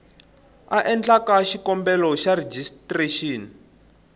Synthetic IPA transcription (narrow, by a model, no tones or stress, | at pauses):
aʔɛnd͡ɮakaʃikɔmbɛlɔʃared͡ʒistreʃiːn